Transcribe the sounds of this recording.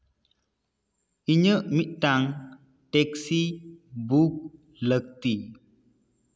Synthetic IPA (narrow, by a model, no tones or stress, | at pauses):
iɲəʔmiʔ̚taŋ | tɛksibuk̚ | lək̚ti